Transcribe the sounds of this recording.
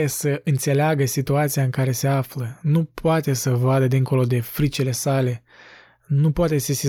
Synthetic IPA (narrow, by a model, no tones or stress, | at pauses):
esəʔɨnt̪se̞leaɡəsit̪uat̪sijaɨŋkaɾe̞se̞aflənupoat̪e̞səvad̪əd̪iŋko̞lo̞d̪e̞fɾit͡ʃile̞sale̞ | nupoat̪e̞sisi